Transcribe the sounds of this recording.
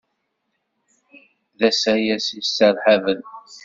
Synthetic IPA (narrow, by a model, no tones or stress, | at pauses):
ðæsæjæsisːəɾħavən